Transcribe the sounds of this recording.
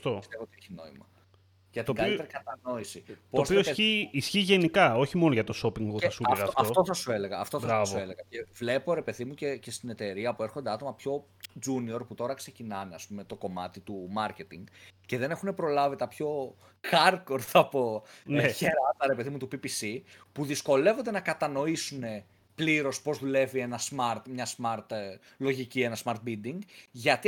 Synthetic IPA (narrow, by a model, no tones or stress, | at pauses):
t̪oist̪evoot̪ieçino̞̰imɐ | ʝɐt̪ŋɡɐlite̞ɾikɐt̪ɐno̞isipospieoiçiisçiʝe̞nikɐo̞çimo̞noʝɐt̪o̞sopiŋɡpeɐsuɐeɣɐoftɐoft̪o̞θɐsue̞le̞ɣɐːft̪o̞bɾɐɐvve̞leɣɐce̞vle̞po̞ɾe̞pe̞ðimucece̞st̪ine̞t̪e̞ɾiɐpue̞ɾxo̞nd̪e̞ɐt̪o̞mɐpço̞ | d͡ʒunio̞ɾput̪o̞ɾɐkse̞cinɐneɐspume̞t̪o̞ko̞mɐt̪it̪umɐɾce̞t̪iŋɡce̞ðe̞ne̞xune̞pɾo̞lɐvit̪ɐpço̞ | xɐɾko̞ɾθɐpo̞çeɾɐt̪ɐɾe̞pe̞ðimut̪upipisipuðisko̞le̞vo̞nd̪e̞nɐkɐt̪ɐno̞isune̞ | pliɾo̞spo̞zðule̞vie̞nɐsmɐɾt̪mɲɐsmɐɾt̪ | lo̞ʝicie̞nɐsmɐɾt̪̚bid̪iŋɡʝɐt̪i